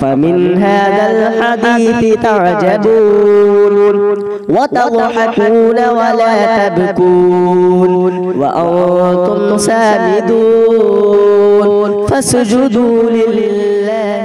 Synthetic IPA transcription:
famɪnɦaːðalħad̪iːθɪt̪ɑʕd͡ʒabuːn | wat̪ɑd̪ˤħɪkuːnawalaːt̪ab̪ʊkuːn | wa̰ʔant̪ʊmsaːmɪd̪uː | n | fasʊd͡ʒʊd̪uːnɪlː

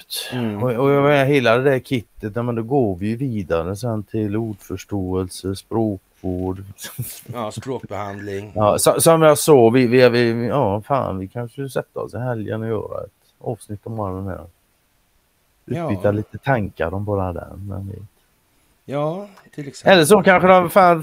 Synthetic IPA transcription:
t̪ɔɔjɑɡmeːnaɦeːlad̪ɛd̪æɾkʰɪt̪ːət̪jɑːmɛnd̪ɔɡoːɾvɪjɵviːd̪aɾəsɛnt̪ʰɪluːɖfœʂʈoːəlsəspɾoːkvoːɖ | sɾoːk̚bɛhand̪lɪŋjɑːsɔsɔmjɑsɑːvɪvɪvɪjɑːfa̰ːnvɪkʰanʂəjɵsɛt̪ːaɔ̰sɪɦɛljə̰nɔjœ̰ːɾa̰ɛ̰t̪ | ɑːvsnɪt̪ːɔmbɑːɾad̪ɛnæ̰ɾ | ʉ̟ːʏt̪ːaɭiːt̪ət̪ʰaŋka̰ɾɔmbɑːɾad̪ɛ̰ɾmɛ̰nvɪ̰ | ɛləʂ̬ɔkʰanɧəd̪ɛmfaːn

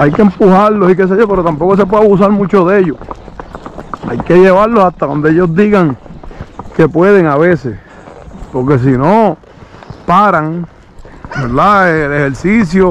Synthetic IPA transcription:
ajkempuhaɾlo̞sikes̬eʝope̞ɾo̞t̪ampo̞ko̞s̬e̞pweaβus̬aɾmũt͡ʃo̞ðe̞ʝo | a̰jke̞ʝe̞βaɾlosaht̪aðo̞nd̪eeʝo̞zd̪iɣaŋ | ke̞pwe̞ðe̞ŋaβe̞ses | po̞ɾk̬e̞s̬ino | paɾaŋ | beɾðaelehe̞ɾsis̬jo

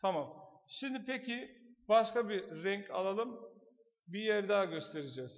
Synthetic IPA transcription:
t̪ʰamamʃimd̪ipʰecʰibaʃkabiɾɛɲcʰa̰lˠalˠɯm | bijæɾd̪aːɡʲøst̪ʰeɾid͡ʒɛːz̥

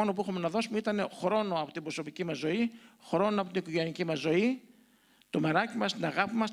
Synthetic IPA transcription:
o̞no̞p̬uixome̞nɐðo̞sumeit̪ɐne̞xɾo̞no̞ɐpo̞t̪imbɾo̞so̞picimɐzːo̞ixɾo̞noɐpo̞t̪inikoʝe̞nicimɐzːo̞i | t̪o̞meɾɐcimɐst̪inɐɣɐpimɐs

